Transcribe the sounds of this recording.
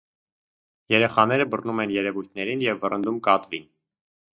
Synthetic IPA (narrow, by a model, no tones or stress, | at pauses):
jɛɾɛχɑnɛɾəbərnumɛnjɛɾɛvujt̪ʰnɛɾinjɛvːərənd̪umkɑt̪vin